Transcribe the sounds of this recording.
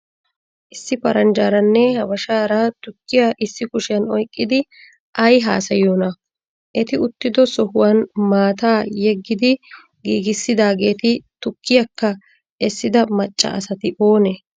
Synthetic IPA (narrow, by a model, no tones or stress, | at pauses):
ʔɪsːɪpɐɾɐnd͡ʒaːɾɐnːɛhɐbɐʃaːɾɐt̪ʊkːɪjaʔɪsːɪkʊʃɪjɐnɔjkʼːɪd̪ɪ | ʔɐjɦa̰ːsɐjoːnɐ | ʔɛt̪ɪʊt̪ːɪd̪ɔsɔhʊwɐnmaːt̪aːjɛɡːɪd̪ɪ | ɡiːɡɪsːɪd̪aːɡe̞ːt̪ɪt̪ʊkːɪjɐkːɐ | ɛsːɪd̪ɐmɐt͡ʃʼːɐ̰ʔɐ̰sɐt̪ɪʔo̞ːnɛ